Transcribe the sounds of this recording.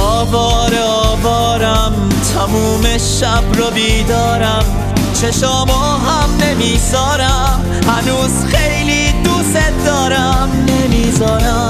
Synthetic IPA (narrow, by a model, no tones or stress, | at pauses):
ɔːvɔːɾeɒːvɒːɾæm | t̪ʰæmuːmeʃæbɾɔbiːd̪ɒːɾæm | t͡ʃʰeʃɔːmɔːɦæmne̞miːsɒːɾæm | hænuːzxejliːd̪used̪ɒːɾæmnemiːzɒːɾæ